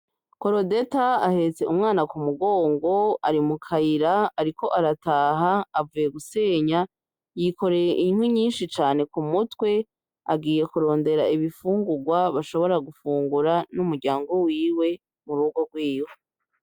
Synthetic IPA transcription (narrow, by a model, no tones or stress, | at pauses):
ko̞ɾo̞de̞taːhe̞t͡se̞ʔumŋaːnakumuɡo̞ːŋɡo̞aɾimukʰaiɾaaɾiko̞ʔaɾataːɦaːvuje̞ɡuse̞ːɲa | jiko̞ɾe̞jeʔiɲn̥hwiɲiːnʃit͡ʃaːne̞kumutwe̞ | a̰ɡiːje̞kuɾo̞ːnde̞ɾaiβifuːŋɡuɡwaβaʃo̞βo̞ɾaɡufuːŋɡuɾanumuɾɟaːŋɡo̞wiːwe̞ | muɾuːɡo̞ɡwiːjo